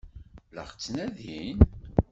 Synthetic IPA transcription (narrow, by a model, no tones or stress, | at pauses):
lə̰χt͡sːnæðin